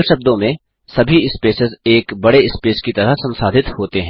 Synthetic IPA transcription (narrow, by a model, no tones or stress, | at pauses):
lʃɐb̚d̪õmẽ | sɐbʱiɪspeːsɪzeːkbɐɽeɪspeːskit̪ɐɾəɦsɐ̃nsaːd̪ʱɪt̪hoːt̪eɦɛ̃